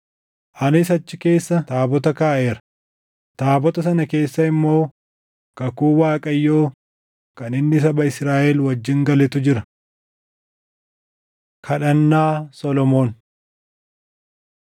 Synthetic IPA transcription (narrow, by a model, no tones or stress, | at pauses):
ʔɐnɪs̬ɐt͡ʃːɪke̞ːsːɐt̪aːbɔt̪ɐkaːʔe̞ːɾɐ̥ | t̪aːbɔt̪ɐsɐnɐke̞ːsːɐɪmːo̞ː | kɐkuːwaːkʼɐjːo̞ː | kɐnɪnːɪs̬ɐbɐɪsɾaːʔɛlwɐd͡ʒːɪŋɡɐlɛt̪ʊd͡ʒɪɾɐ | kʰɐᶑɐnːaːsɔlɔmo̞ːn